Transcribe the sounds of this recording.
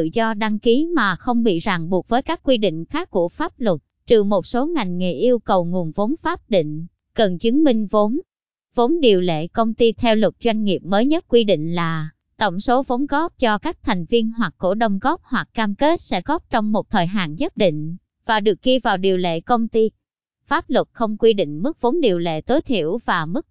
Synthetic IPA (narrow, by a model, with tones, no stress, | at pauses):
ɨ̰˧˨zɔ˧ɗa˧ŋki˨˦maː˨˩xə˧wŋ͡mɓḭ˧˨zaː˨˩ŋɓu˨˩ət̚vəː˨˦jkaː˦˥k̚ːwi˧ɗḭ̈˧˨ŋ̟xaː˦˥kːu˧˩əfaː˦˥p̚lə˨˩t̚ | t͡ɕɨ˨˩mo˨˩t̚so˨˦ŋa˨˩jŋ̟ŋe˨˩ʔi˧əwkə˨˩wŋu˨˩ənvo˨˦nfaː˦˥p̚ɗḭ˧˨ŋ̟ | kə˨˩nt͡ɕɨ˨˦əŋmï˧ŋ̟vo˨˦n | vo˨˦nɗi˨˩əwlḛ˧˨kə˧wŋ͡mt̪i˧t̪ʰɛ˧wlə˨˩t̚zwa˧jŋ̟ŋi˨˩əp̚məː˨˦jɲə˦˥t̚kwi˧ɗḭ̈˧˨ŋ̟laː˨˩ | t̪ə̰˧˩wŋ͡mso˨˦vo˨˦nɣɔ˦˥p̚t͡ɕɔ˧kaː˦˥k̚t̪ʰa˨˩jŋ̟vi˧ənɦwa˨˩kːo˧˩ɗə˧wŋ͡mɣɔ˦˥p̚hwa˨˩k̚kaː˧mke˦˥t̚sɛ̰˧˥ɣɔ˦˥p̚t͡ɕɔ˧wŋ͡mmo˨˩t̚t̪ʰəː˨˩jɦa̰ː˧˨nɲə˦˥t̚ɗḭ˧˨ŋ̟ | vaː˨˩ɗɨ˨˩ək̚ɣi˧vaː˨˩wɗi˨˩əwlḛ˧˨kə˧wŋ͡mt̪i˧ | faː˦˥p̚lwə˨˩t̚xə˧wŋ͡mkwi˧ɗḭ̈˧˨ŋ̟mɨ˦˥k̚vo˨˦nɗi˨˩əwlḛ˧˨t̪o˨˦jt̪ʰḭ˧˨əwvaː˨˩mɨ˦˥k̚